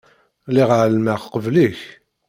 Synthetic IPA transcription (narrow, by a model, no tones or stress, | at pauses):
liʁʕlmæχqəvliç